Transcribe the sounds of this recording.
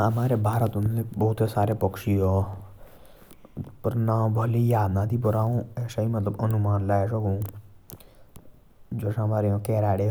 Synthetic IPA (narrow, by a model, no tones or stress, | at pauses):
ɐmaːɾebʱaːɾət̪unnebɔːt̪esaːɾepəkʃiɦo | pəɾnaːbʱəlijaːd̪nãːt̪ip̬əɾaːũeːʃaĩmət̪ləbənʊmaːnlaːɛʃoɡõː | d͡ʒoːʃɐmaːɾeõkɛːɾaːɽe